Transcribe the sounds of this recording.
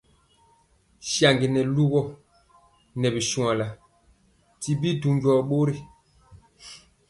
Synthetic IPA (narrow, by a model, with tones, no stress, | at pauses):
ʃja˨ŋɡi˨nɛ˨lu˦ɣɔ˦˨ | nɛ˨bi˨ʃu˨a˨la˨ | ti˨bi˦du˨mɟɔ˨ɓo˦ɾi˦